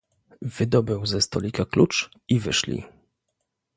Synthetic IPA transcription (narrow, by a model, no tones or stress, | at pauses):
vɘd̪ɔbɘwzɛst̪ɔlʲikaklut͡ʂ | ivɘ̰ʂlʲḭ